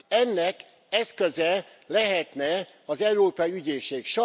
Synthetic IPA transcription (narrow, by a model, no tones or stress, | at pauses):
ɛnːɛk | ɛskøzɛ | lɛɦɛt̪nɛ | ɒzɛuɾoːpɒjiyɟeːʃeːkʃɒ